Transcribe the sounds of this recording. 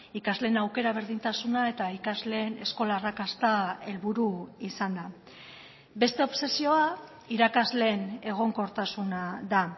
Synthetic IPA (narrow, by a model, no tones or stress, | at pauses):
ikazle̞ːnawke̞ɾaβ̞e̞ɾð̞int̪asunae̞t̪aikazle̞ːne̞sko̞laːrakast̪ae̞lβuɾuisand̪a | be̞st̪e̞o̞pse̞sio̞a | iɾakazle̞ne̞ɣ̞o̞ŋko̞ɾt̪asunaða